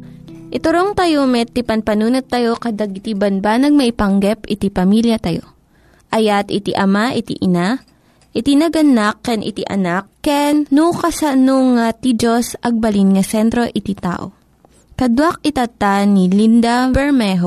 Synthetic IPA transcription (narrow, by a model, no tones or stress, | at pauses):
ʔɪt̪ʊɾoŋt̪ɐjomɛt̪ipɐnpɐnuːnɐt̪ːɐjo̞kɐd̪aɡɪt̪ibɐnbanɐɡ̚mɐʔɪpɐŋɡɛpɪt̪ipɐmiljɐt̪ɐjo̰ | ʔɐjat̪ɪt̪iʔɐmaʔɪt̪ḭʔɪna | ʔɪt̪inɐɡɐnakːɛnʔɪ̰t̪iʔɐ̰nakːɛnːukɐsɐnoŋat̪id͡ʒosɐɡ̚bɐlinŋɐsɛnt̪ɾo̞ʔɪt̪it̪a̰ːʔo̰ | kɐd̪wak̚ɪt̪at̪anilind̪ɐbɛɹmɛɦo